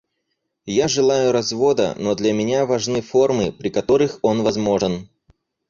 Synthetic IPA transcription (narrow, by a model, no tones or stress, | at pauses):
jaʐɨlˠajʊɾɐzvo̞d̪ə̰nod̪lʲɐmʲɪnʲavɐʐnɨfo̞rmɨpɾʲɪkɐt̪o̞ɾɨxo̞nvɐzmo̞ʐɨn